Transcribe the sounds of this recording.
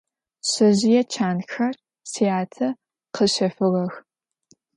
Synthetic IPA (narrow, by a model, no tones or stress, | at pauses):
ɕɐʑɪjɛt͡ʃʰaːnxɐr | sijaːtʰɐ | qəɕɐfɨʁɐx